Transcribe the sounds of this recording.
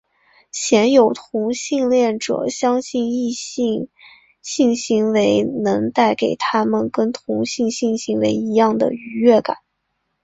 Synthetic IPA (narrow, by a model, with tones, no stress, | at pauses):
ɕjɛ˧˥njo˨˩ʊt̪ʰʊ˧˥ŋɕi˥˧ŋljɛ˥˩nʈ͡ʂɤ̰˨˩˦ɕjɑ˥ŋɕi˥˧ni˥˧˥ | ɕi˥˩nɕi˧˥ŋwe˧˥ɪnɤ˧˥ŋt̪a˥˩ɪke˨˩ɪt̪ʰa˥mə˨nkə˥nt̪ʰʊ˧˥ŋɕi˥˩ŋɕi˥˩ŋɕi˧˥ŋwe˧˥ɪi˧˥jɑ˥˩ŋd̪ə̰˩y˧˥ɥɛ˥˩ka̰˨˩˦n